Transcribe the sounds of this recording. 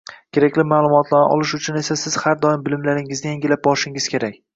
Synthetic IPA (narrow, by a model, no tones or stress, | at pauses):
kʲʰe̞ɾakʲlɪmaːlˠʊmɒt̪ʰlanɪ̰ʔɒ̰lˠɪʃʊt͡ʃʰʊne̞sasɪz̥haɾd̪ɒɪmbɪlɪmlaɾɪŋɪznɪjeŋɡʲɪlap̚bɒɾɪʃɪŋɪz̥kʲʰe̞ɾakʲ